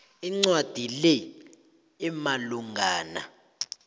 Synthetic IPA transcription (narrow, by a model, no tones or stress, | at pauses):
iŋ͡ǀwad̥ʱilɛː | maluŋʱaːna̰